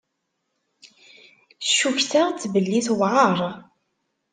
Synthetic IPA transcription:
ʃuçθaʁt͡sːvəlːiθwʕəɾˤ

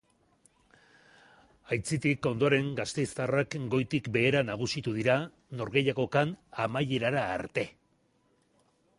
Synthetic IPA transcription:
ajt͡sit̪iko̞nd̪o̞aɾe̞ŋɡast̪e̞jst̪arakɡo̞jt̪ikbe̞ːɾanaɣ̞usit̪uðiɾa | no̞ɾɣe̞jako̞kanamaje̞ɾaɾaːɾt̪e̞

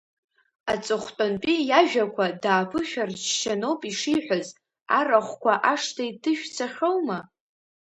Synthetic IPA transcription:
at͡sʼɨχʷtʼonpʼijaʒᶣakʷʰadaːpʰɨʃᶣart͡ʃʃanowpʼiʂijħʷᶣaz | a̰raχʷkʷʰaʔaʂtʰaidɨʃᶣt͡sʰaχʲowma

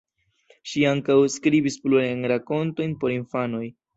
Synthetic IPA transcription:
ʃiaŋkawskɾibispluɾajnɾako̞nto̞jnpo̞ɾinfano̞j

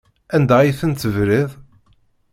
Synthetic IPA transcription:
ænd̪æjiθənt̪əvɾiðˤ

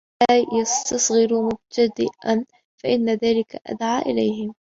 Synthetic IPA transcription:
ajast̪ɑsˤɣɪɾmʊb̚t̪ʰad̪ɪʔan | faʔɪnːaðaːlɪka̰ʔa̰d̪ʕaːʔɪlajhɪm

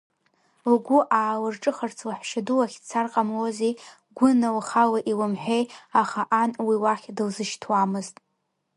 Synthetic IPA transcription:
lɡʷʊʔaːlɨrʈ͡ʂʼɨχart͡sʰlaħʃaduwaχʲt͡sʰarqʼamwoze | ɡʷʊnawχalaʔiwɨmħʷᶣejaχaʔanwiwaχʲdɨlzɨʃtʰwamɨztʼ

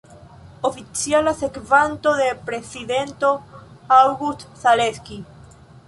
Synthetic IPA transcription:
ofit͡sialase̞kvant̪o̞ðe̞pɾe̞sid̪e̞nto̞awɡut̪saleski

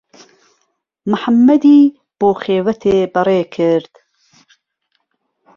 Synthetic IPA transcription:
mɨħamːɐd̪iː | b̥oːxeːvɐt̪ʰeːbɨɾeːkʰɨɾd̪̥

